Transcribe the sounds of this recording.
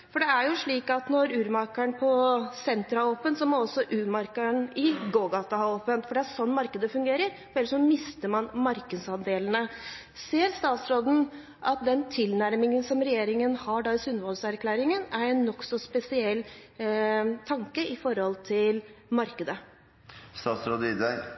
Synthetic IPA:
fɔɖɛæɾjʊʂɭiːkɑt̪nɔɾʉːɾmɑɾkəɳpʰɔsɛnt̪ɾɑoːpənsɔmɔɔsːɔʔʉːɾmɑɾkəɳɪɡoːɡɑt̪ɑhɑɾopːənt̪fɔɖɛæʂɔnːmɑɾkəd̪əfʉŋɡeːɾəɾ | fɛlːəʂɔmɪst̪əmɑnmɑɾkəd̪sɑnd̪eːlnə | seːɾst̪ɑːt̪sɾoːd̪n̩ | ʔɑt̪̚d̪ɛnt̪ʰɪlnæɾmɪŋənsɔmɾɛjeːɾɪŋənhɑɖɑɪsʉnʋɔlsæɾkʰlæːɾɪŋənæɾɛnːɔksɔspɛsɪɛlː | t̪ʰɑŋkəʔɪfɔɾhɔlt̪ʰɪlmɑɾkəd̪ə | st̪ɑːt̪sɾoːd̪əɪd̪æ

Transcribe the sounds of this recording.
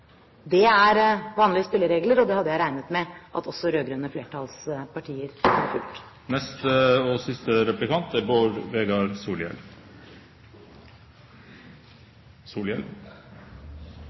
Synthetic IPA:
d̪ɛæɾʋɑːnlɪəspɪlːəɾeːɡləɾɔd̪ɛhɑd̪ːəjæɪɾæɪnət̪mɛʔɑ̰t̪ʰɔsːɔɾøːɡɾønəfleːʈʰɑlspɑʈʰiːəɾhɑ̰ɾfʉltʈ̪ | nɛst̪əosɪst̪əɾɛplɪkʰɑnt̪æboːɾʋeːɡɑɾsuːljɛ̰l | suːljɛ̰l

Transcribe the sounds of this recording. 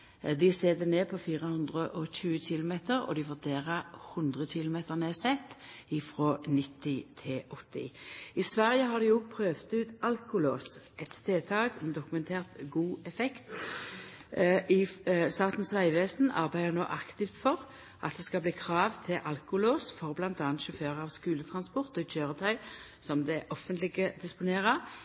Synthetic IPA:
d̪ɪseːd̪əneːpʰɔfiːʁəhʊnd̪ʁəʔɔçʉːəçɪlʊmeːt̪əʁɔ̰d̪ɪʋʉʁd̪eːʁəhʉnd̪ʁəçɪlʊmeːt̪əʁneːsɛt̪ːɪfʁoːnɪt̪ʰːɪt̪ʰɪʔɔt̪ːɪ̰ɪsʋæʁjəhɑd̪ɪʊɡ̚pʰʁøːʋt̪ʉːt̪ɑlkʊloːsʔɛt̪ːeːt̪ʰɑːɡɛnd̪ʊkʉmɛnt̪ʰeːʁt̪ɡuːɛfɛkt̪ | ɪst̪ɑːt̪n̩sʁæɪʋeːsn̩ɑ̰ʁbæɪd̪əno̰ːʔɑkt̪ɪft̪fɔʁ | ʔɑ̰t̪̚d̪ɛskɑbliːkʰʁɑːʋt̪ʰɪlʔɑlkʊloːsfɔʁblɑnt̪ɑːnt̪ʃɔføːʁəɑʋskʉːlət̪ʰʁɑnspɔʁt̪ɔɪt͡ʃʰøːʁət̪ʰœʏsɔmd̪ɛʔɔfənt̪lɪɡəd̪ɪspʊneːʁə

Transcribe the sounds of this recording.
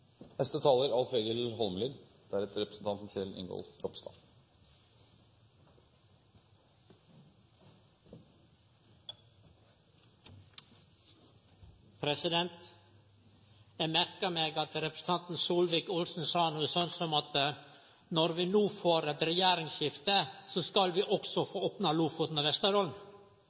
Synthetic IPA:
hɛst̪ət̪ʰɑːləɾɑlfeːɡəlɦɔlmliːɡ̪d̪̥æɾɛt̪ɾɛpɾəsn̩t̪ʰɑnt̪n̩çʰɪlʔɪ̰ŋɡɔ̰lfɾɔpst̪ɑ̰ː | pʰɾɛsɪd̪ɛnt̪ | jæɪmæɾkəɾmeːɡɑt̪ɾɛpɾəs̩n̩t̪ʰɑnt̪n̩suːlʋɪːkʊlsn̩sɑːnuːsɔnsɔmɑt̪ | nɔɾʋɪnuːfoːɾɛt̪ɾɛjæːɾɪŋsçɪft̪əsoskɑlʋiːʔɔksɔfoːoːpnɑluːfʊːt̪nɑʋɛst̪əɾɔln

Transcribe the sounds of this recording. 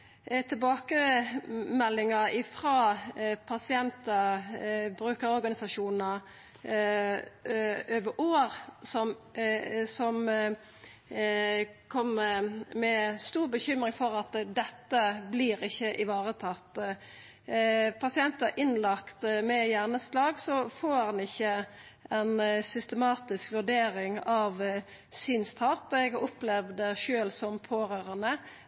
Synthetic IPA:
t̪ʰɪlbɑːkə | mɛlːɪŋɑɪfʁɑːpʰɑsɪɛnt̪ə | bɾʉːkəɾɔɾɡɑnɪsɑʂuːnnə | øːʋəʔoːɾsɔm | sɔm | kʰɔmmɛst̪uːʁbəçʏmʁɪŋfɔʁɑt̪d̪ɛt̪ːəbliːɾɪçːəʔɪʋɑːʁət̪ʰɑt̪ː | pʰɑsɪɛnt̪ɑʔɪnlɑkt̪mɛjæʁnəslɑːɡsɔfoːhɑnɪçːəʔɛnsʏst̪əmɑːt̪ɪskʋʉɖ̪eːɾɪŋɑʋ | syːnst̪ʰɑːpɛɡɑɾʊplɛʋd̪əʃøːlsɔmpʰoːʁøːʁənə

